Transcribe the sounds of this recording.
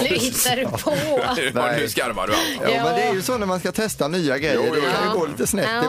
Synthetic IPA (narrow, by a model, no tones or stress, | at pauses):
t̪ːaɾpʰonɛɪskaɾma̰d̪jɑ̰ːmɛnd̪ɛæɾjɵsoːnæɾmanskat̪ʰɛst̪anyːaɡɾɛjːədɔkʰand̪ɛɡoːliːt̪əsnɛt̪ːɪ